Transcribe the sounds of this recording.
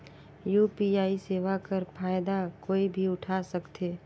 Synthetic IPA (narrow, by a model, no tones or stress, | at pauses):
juːpiaːiseːʋakəɾpʰaːjd̪akoːibʱiʊʈʰaːsɐkt̪ʰeː